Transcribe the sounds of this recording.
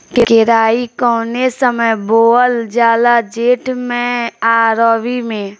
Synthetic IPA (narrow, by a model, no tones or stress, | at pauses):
kɪkɪɾaːikɔ̃ːnesəməjboːəld͡ʒaːlad͡ʒeːʈmɛ̃aːɾɔːʋimẽ